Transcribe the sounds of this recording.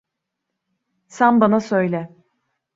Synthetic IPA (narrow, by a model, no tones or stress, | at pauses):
sænbanasøjlʲɛ